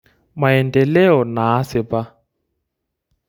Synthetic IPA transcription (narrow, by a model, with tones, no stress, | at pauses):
ma˨ɛ˨ndɛ˨lɛ˦ɔ˨naː˨˦sɪ˨pa˦